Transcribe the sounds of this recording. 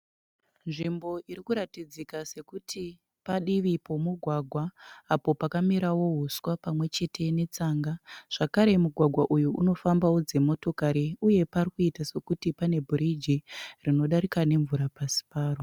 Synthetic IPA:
nʐimbo̞ʔiɾikuɾatid͡zikase̞kutʰi | paɗiʋipo̞muɡʱwaɡʱwaːpo̞pakamiɾawo̞ɦuswapamwe̞t͡ʃe̞tʰe̞ne̞t͡saːŋɡaʐ̥akaɾe̞muɡʱwaɡʱwaʔujuʔṵno̞fambawod͡ze̞mo̞to̞kaɾiuje̞parikuitase̞kutipane̞bʱuɾid͡ʒirino̞ɗaɾikane̞ɱvuɾapasi̥paːro

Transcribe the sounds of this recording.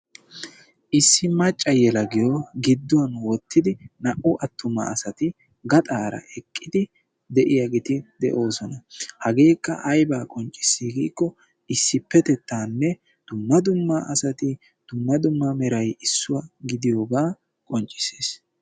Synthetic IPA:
ʔɪsːɪmɐt͡ʃʼːɐjɛlɐɡɪjoɡɪd̪ːʊɐnwɔt̪ʰːɪd̪ɪnɐʔʊʔɐt̪ʰːʊmɐ̰ːsɐt̪ɪ | ɡɐt̪ʼaːɾɐ̰ʔɛkʼːɪd̪ɪ | d̪ɛʔɪjɐɡɪt̪ɪd̪ɛʔo̞ːsɔnɐhɐɡe̞ːkːɐ̰ʔɐjbaːkʼɔnt͡ʃʼːɪ̥sːiːɡiːkːɔ | ɪsːɪpːɛt̪ɛt̪ːaːnːɛ | d̪̥ʊmːɐd̪ʊmːaʔɐsɐt̪ɪ | d̪̥ʊmːɐd̪ʊmːɐmɛɾɐjɪsːʊwɐɡɪd̪ɪjoːɡaː | kʼɔnt͡ʃʼɪ̥se̥ːs

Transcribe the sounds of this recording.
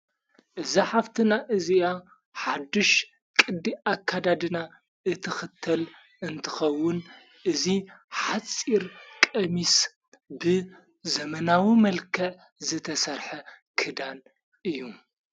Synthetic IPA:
ʔɨziħaft̪ʰɨnaʔɨziʔa | ħad̪ɨʃ | kʼɨd̪ːiʔakʰːad̪ad̪ɨna | ʔɨt̪ʰɨxɨt̪ʰːɐl | ɨnt̪ʰɨ̥xɐwːʊn | ʔɨziħat͡sʼiɾkʼɐmis | bɨ | zɐmɐnawimɐlkʰɐʕ | zɨt̪ʰɐsɐɾħɐ | kʰɨd̪an | ʔɨjːu

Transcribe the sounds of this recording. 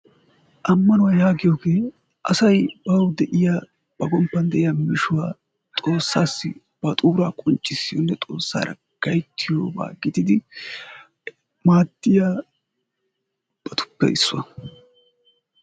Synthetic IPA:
ʔɐmːɐnʊwɐjaːɡɪjoːɡe̞ː | ʔɐ̰sɐjbɐwd̪ɛʔɪjaː | b̥ɐɡɔmpːɐnd̪ɛʔɪjaːmɪʃʊwaː | t̪ʼo̞ːsːaːsːɪ̰ | b̥ɐt̪ʼuːɾaːkʼɔnt͡ʃʼːɪsːɪjonːɛt̪ʼo̞̰ːsːa̰ːɾɐ̰ | ɡ̥ɐjt̪ʰːɪjoːba̰ːɡɪd̪ɪd̪ɪ | maːd̪ːɪjaː | b̥ɐt̪ʰʊ̥pːɛ̰ʔɪsːʊwɐ̰

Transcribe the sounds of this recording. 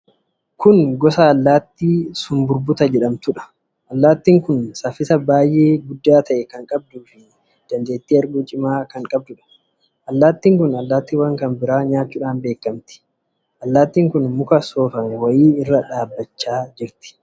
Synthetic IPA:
kʊnɡɔsaɐlːaːt̪ːiːsʊmbʊɾbʊt̪ɐd͡ʒɛᶑɐmt̪ʊᶑɐ̥ | ʔɐlːaːt̪ːiːŋkʊnsɐfɪsɐbaːjʔe̞ːɡʊd̪ːaːt̪ɐʔɛkɐŋkʼɐb̚d̪uːfɪ | d̪̥ɐnd̪e̞ːt̪ːiːɐɾɡuːt͡ʃʼɪmaːkɐŋkʼɐb̚d̪ʊᶑɐ̥ | ʔɐlːaːt̪ːiːŋkʊnɐlːaːt̪ːiːwɐŋkɐnbɪɾaːɲaːt͡ʃːuːᶑaːnbe̞ːkːɐmt̪ɪ̥ | ʔɐlːaːt̪ːiːŋkʊnmʊkɐso̞ːfɐmɛwɐjiːɪrːɐᶑaːbːɐt͡ʃːaːd͡ʒɪɾt̪ɪ̥

